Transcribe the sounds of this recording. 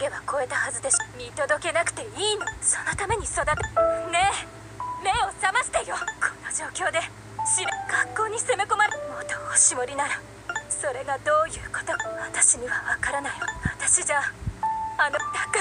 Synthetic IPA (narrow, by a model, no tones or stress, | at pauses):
ɡe̞βako̞e̞t̪ahazɨd̪eɕmʲit̪o̞d̪o̞ke̞nakɯ̟̥t̪e̞iːnoso̞no̞t̪ame̞ɲ̟iso̞d̪at̪ene̞ | me̞o̞samaɕi̥t̪ejo̞kʰo̞nod͡ʑo̞ːkʲo̞ːd̪e̞ | ɕiɾeɡakːo̞ːɲ̟iseme̞ko̞maɾemot̪ooɕimoɾʲinaɾa | so̞ɾe̞ɡad̪o̞ːjɯ̟ːko̥t̪o̞βat̪aɕiɲ̟iβaβakaɾanajoβat̪aɕid͡ʑa | anot̪ak